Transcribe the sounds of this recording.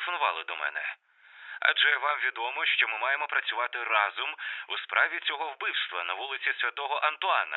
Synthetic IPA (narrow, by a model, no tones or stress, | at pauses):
fɔnʊʋɑ̰lˠɪd̪ɔmɛ̰nɛ | ɐ̰ʒɛʋɑmʋʲid̪ɔmɔʃt͡ʃɔmɪmɑjemɔpɾɐt͡sʲʊʋɑt̪ɪrɑzʊmuspɾʔɑʋʲit͡sʲɔɦɔwbɪwst̪ʋɐnɐʋulˠɪt͡sʲisʲʋʲɐt̪ɔɦɔʔɐnt̪ʊɑnɐ̰